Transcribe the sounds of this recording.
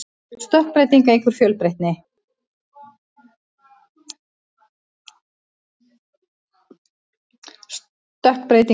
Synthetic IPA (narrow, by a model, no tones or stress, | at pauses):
st̪œhk̚pɾejt̪iŋkaeŋkʰvʏɾ̥fjœːlpɾejht̪̚nɪ | s | t̪œhkpɾeːjt̪i